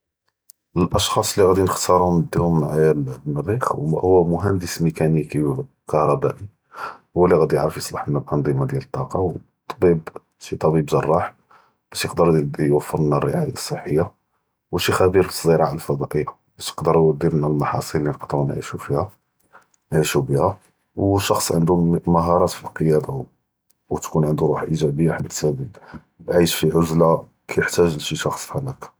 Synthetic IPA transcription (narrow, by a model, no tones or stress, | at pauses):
əlʔɑʃxɑsˤlːiɣæd̪inəxt̪ɑɾʊməd̪ːumːʕajælnərixwhʊwːæmʊɦænd̪əsmikæniki | kɑhɾˤɑbæʔi | hʊwælːiɣæd̪ijəʕɾəfjəsˤlɑħnælʔɑnd̪ˤimad̪jælət̪ˤːɑqɑw | t̪ˤːɑbib | ʃit̪ˤɑbibzɑrˤːɑħ | b̥æʃjəqd̪əɾwəfːəɾnærːə̰ʕajɑsˤːəħːəjːa | wʃixæbiɾbsˤziɾaʕləlfɑd̪ˤɑʔəjːa | bæʃjəqd̪əɾjwæd̪ːiɾnælmɑħɑ̰sˤillːinqt̪ˤɾnʕḭʃufihæ | nʕiʃubihæ | wʃɑxsˤʕənd̪uməɦɑɾˤɑt̪fiqəjæd̪a | wt̪kunʕənd̪uɾuħʔiʒæbəjːaħad̪ːsæbi | bʕiʃfiʕʊzla | kʰæjəħt̪æʒlʃiʃɑxsˤħalæk